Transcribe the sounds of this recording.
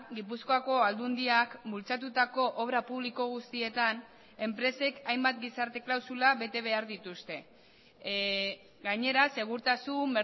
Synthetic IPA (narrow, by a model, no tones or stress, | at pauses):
ɡip̬uskoako̞ald̪und̪iakbult͡sat̪̬ut̪ako̞ʔoβɾapuβ̞liko̞ɣ̞ust̪ie̞t̪an | e̞mpɾe̞se̞kajmbat̪ɡisaɾt̪e̞klawsulaβe̞t̪e̞β̞e̞aɾðit̪ust̪e̞ | ɡaɲe̞ɾase̞ɣ̞uɾt̪asumbe